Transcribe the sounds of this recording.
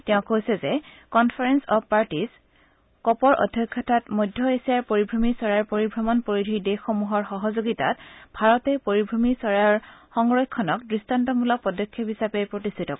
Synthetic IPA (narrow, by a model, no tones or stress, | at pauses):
tɛʊ̃kojsɛzɛ | kɔnpʰaɹɛnsɔppaɹtis | kɔpɔɹʔɔ̰dʱjɔkʰːɔtʰatmojdʱːɔesiaɹpoɹibʱɹomisɔɹaɹpoɹibʱɹɔmɔnpoɹidʱidexːɔmuɦɔɹxɔɦɔzoɡita̰tb̥ʱaɹɔtɛpoɹibʱɹomisɔɹaɹxɔŋɹɔjkʰːɔnɔkdɹistʰantɔmulɔk̚pɔdɔkʰːɔpɦisapɛpɹotistʰitɔk